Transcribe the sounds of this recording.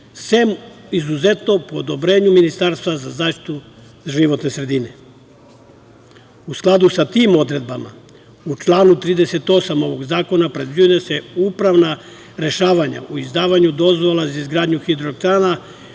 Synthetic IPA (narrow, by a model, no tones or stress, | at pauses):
semizuze̞t̪no̞poːd̪o̞bɾe̞ːɲuminist̪aɾst̪ʋazazaːʃt̪i̥t̪u | ʒiʋo̞t̪ne̞sɾe̞d̪ine̞ | usklˠad̪usat̪iːmo̞d̪ɾe̞d̪̚bama̰ | ut͡ʃlaːnut̪ɾiːd̪e̞se̞t̪o̞samo̞ʋo̞ɡzaːko̞napɾe̞d̪viujese̞upɾaʋna | ɾe̞ʃaːʋaɲa̰ʔuizd̪aːʋaɲud̪o̞zʋo̞lˠazaizɡɾaːd̪ɲuxid̪ɾokt̪ana